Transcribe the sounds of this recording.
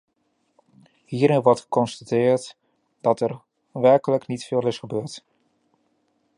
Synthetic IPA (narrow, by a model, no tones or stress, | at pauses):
hiːɾɪnʋɔɹtχə̥kɔnstatɪːɹt | d̥ɑtɛɹ | ʋɛɹkələknitfɪːlɪsχəbøːɹt